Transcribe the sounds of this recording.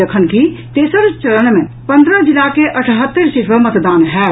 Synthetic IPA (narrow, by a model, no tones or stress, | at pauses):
əkʰənkit̪eːsəɾt͡ʃələnmẽ | pə̃nd̪ɾəd͡ʒɪlakeʔəʈʰɦət̪ːəɾsɪʈʰʋəmət̪d̪aːnɦɛː